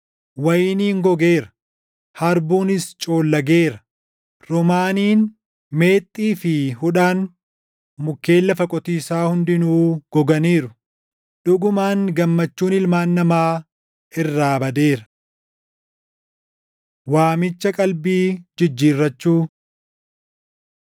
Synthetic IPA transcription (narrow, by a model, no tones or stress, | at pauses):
wɐjɪniːŋɡɔɡe̞ːɾɐ̥ | hɐɾbuːnɪst͡ʃʼo̞ːlːɐɡe̞ːɾɐ | ɾɔmaːniːn | me̞ːt̪ʼːiːfɪhʊᶑaːn | mʊkːe̞ːlːɐfɐkʼɔt̪iːsaːhʊnd̪ɪnuːɡ̥ɔɡɐniːɾʊ | ᶑʊɡʊmaːŋɡɐmːɐt͡ʃːuːnɪlmaːnːɐmaː | ɪrːaːbɐd̪e̞ːɾɐ̥ | waːmɪt͡ʃːɐkʼɐlbiːd͡ʒɪd͡ʒːiːrːɐt͡ʃːuː